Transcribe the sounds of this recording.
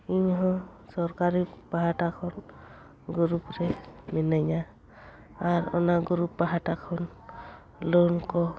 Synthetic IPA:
iɲɦɔ̃sɔɾkaɾipaɦaʈakʰɔn | ɡuɾupɾɛmɛnajɲa | aɹɔ̰naɡuɾupːaɦaʈakʰɔn | lonkɔ

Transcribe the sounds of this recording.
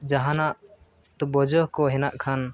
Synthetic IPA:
d͡ʒaɦanaʔ | t̪ɔbɔd͡ʒɔhkɔɦɛnaʔkʰan

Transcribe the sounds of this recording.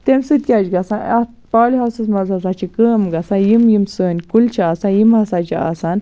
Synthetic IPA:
t̪emsɨt̪̚kʲad͡ʒɡɐsãnɐ | paːlʲiɦasɨsmɐzɐsat͡ʃʰikəːmɡɐsãjimjimsəːnʲkult͡ʃʰiaːsãnjimɦɐsat͡ʃʰia̰san

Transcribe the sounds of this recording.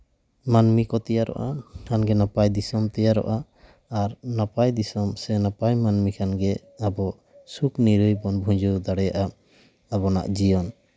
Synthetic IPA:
manmikɔt̪ɛjaɾɔ̰ʔakʰanɡɛnapajd̪isɔmt̪ɛjaɾɔ̰ʔaː | ɾnapajd̪isɔmsɛnapajmanmikʰanɡɛ | abɔ | sukniɾujbɔnbʱũɲd͡ʒud̪aɽɛjaʔa | abɔna̰ʔd͡ʒijɔn

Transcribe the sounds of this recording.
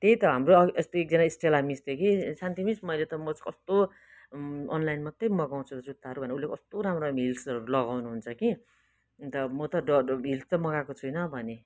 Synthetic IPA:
t̪ejt̪ʌɦamroest̪oek̚d͡zʌnaisʈelamist̪ekisant̪ʰimismʌjlet̪ʌmʌt͡skʌst̪o | ʌnlajnmʌt̪ːʌjmʌɡaw̃t͡sʰut̪ʌd͡zut̪ːaɦʌɾubʱʌnulːekʌst̪oɾamromilsʌɾulʌɡawnuɦunt͡sʰʌki | t̪ʌmʌt̪ʌɖʌilst̪ʌmʌɡakot͡sʰujnʌbʱʌne

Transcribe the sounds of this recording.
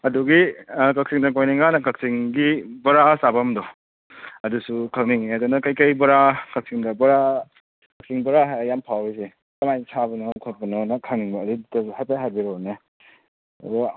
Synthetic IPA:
ɐduɡikak̚siŋdɐkojniŋɡanɐkak̚siŋɡibɐɾasabɐmdɔ | ɐdusukʰalniŋɐdunɐkɐjkɐjbɐɾakak̚siŋdɐbɐɾa | kɐk̚siŋbɐɾaɦajampʰawis̬e | tɐmajsʰabɐnɔkʰɔt̚bɐnɔnɐkʰaŋniŋbɐːditɐhatpaɦaɾbiɾɔnɐ̰

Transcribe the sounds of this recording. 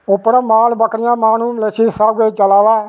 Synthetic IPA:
ʊpɽaːmaːlbəkɾɪjãːmaːnũːlesiːsabɡet͡ʃəlaːʋaː

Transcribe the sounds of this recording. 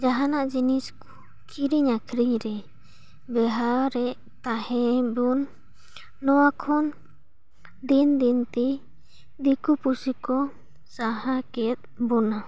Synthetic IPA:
d͡ʒaɦanaʔd͡ʒiniskɔ̥ | kʰiɾiɲakʰɾiɲɾɛ | bɛɦaɾɛʔ | t̪ahɛ̃bunː | ɔwakʰɔn | d̪ind̪int̪ɛ | d̪ikupusikɔ | saɦakɛt̪̚bɔna

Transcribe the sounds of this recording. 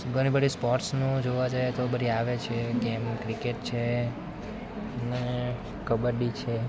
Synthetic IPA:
ɡəñibəɽispɔɾʈsnũd͡ʒoʋad͡ʒajet̪obəɾʱiaʋet͡ʃʰeɡemkɾikeʈt͡ʃʰe | ne | kəbəɾɖit͡ʃʰe

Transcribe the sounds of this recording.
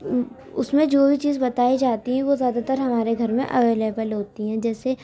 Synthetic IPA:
ʊsmẽd͡ʒoːbʱit͡ʃiːzbɐt̪aːid͡ʒaːt̪iɦɛ̃ʋozjaːd̪at̪əɾɦɐmaːɾeɡʱɐɾmḛ̃ʔɐʋeːleːbəlɦoːt̪iɦɛ̃d͡ʒɛːse

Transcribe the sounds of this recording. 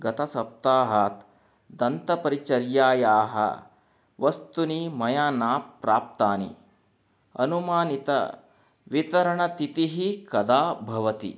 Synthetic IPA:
ɡɐt̪ɐsɐp̚t̪aːɦaːt̪ | d̪ɐnt̪ɐpɐɾit͡ʃɐɾjaːjaːɦɐ̰ | ʋɐst̪unimɐjaːnaːpːɾaːp̚t̪aːnḭ | ɐ̰numaːnit̪ɐ̰ | ʋit̪ɐɾɐɳɐt̪it̪iɦikɐd̪aːbʱɐʋɐt̪ḭ

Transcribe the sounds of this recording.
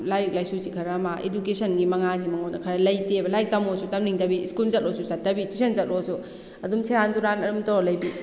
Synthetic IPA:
lajik̚lajsuzikʰɐɾɐmaʔḛdukesɐnɡimɐŋazimɐŋonɐkʰɐɾɐlɐjtebɐlajik̚tɐmosutɐmniŋtɐbiskulzɐt̚osusat̚ːɐbitusʰenzɐt̚ʔosu | ɐdumseɾantuɾanɐɾumtolɐjbi

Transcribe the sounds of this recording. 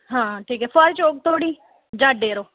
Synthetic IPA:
ɦãːʈʰiːkɦɛːpəɾt͡ʃoːk̚t̪ʰoːɽiː | d͡ʒaːɖd̪eːɾoː

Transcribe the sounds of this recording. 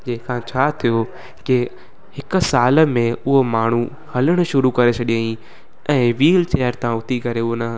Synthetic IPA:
d͡ʑẽːɪ̃kʰãːt͡ɕʰaːt̪ʰijo | kɪ | hɪk̆saːlə̆mẽʊɦomaːɳ̤u | hɐləɽ̃ʊ̆ʃʊɾukɐɾet͡ɕʰɐɗiaːĩ | ɛ̃ːʋiːlt͡ɕeːjəɾt̪ʰãʊt̪ʰikɐɾeʊonɐ

